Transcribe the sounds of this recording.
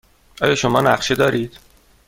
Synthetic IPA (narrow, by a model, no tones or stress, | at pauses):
ʔɒːjɒːʃomɒːnæχʃed̪ɒːɾiːd̪̥